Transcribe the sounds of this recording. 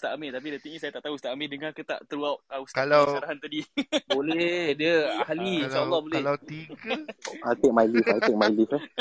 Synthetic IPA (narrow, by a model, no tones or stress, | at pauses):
st̪aʔameʔt̪ap̬idat̪iŋɲisajat̪aʔt̪aɦust̪aʔamedəŋakət̪a̰ʔt̪əɾuawʔaustkalawaɾaɦant̪adibolɛhdəahaliʃlaalːɔhbolɛlat̪iɡəajt̪ek̚majlifajt̪ek̚majlifɛ